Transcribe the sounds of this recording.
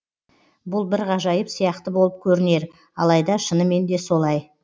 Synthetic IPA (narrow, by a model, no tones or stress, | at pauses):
bʊlˠbɪɾʁɑʒɑjəpsijɑqt̪əbo̞lˠəp̚kʲʰɵɾɪne̞ɾ | ɑlˠɑjd̪ɑʃənəme̞nd̪e̞so̞lˠɑj